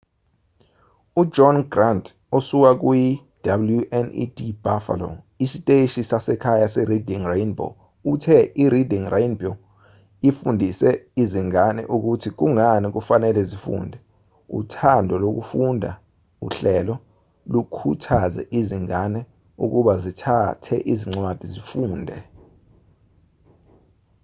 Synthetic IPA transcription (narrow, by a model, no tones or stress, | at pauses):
ud͡ʒɔnɡrant | osuk̬ak̬uji | d̥abljuʔɛnḭdib̥afa̰lɔ̰ | isitʼeʃisasɛkʰajasɛridiŋrejnbo̰ | utʰɛʔiɾidiŋrejnbɔ | ifundʱisɛiziŋanɛ̰ʔuk̬utʰik̬uŋanik̬ufanɛlɛzifṵːndʱɛ | ṵtʰandʱɔlok̬ufundʱa̰ | ṵɬɛlɔ | lukʰutʰazɛ̰ʔiziŋanɛ | ṵk̬uɓazitʰatʰɛʔiziŋ͡ǀwad̥ʱizifuːndʱɛ